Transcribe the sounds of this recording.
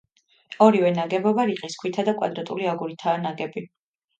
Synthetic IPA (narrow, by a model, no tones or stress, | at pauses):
ɔɾiwɛnaɡɛbɔbaɾiqʼiskʰwit̪ʰad̪akʼwa̰d̪ɾat̪ʼuliaɡuɾit̪ʰaːnaɡɛbi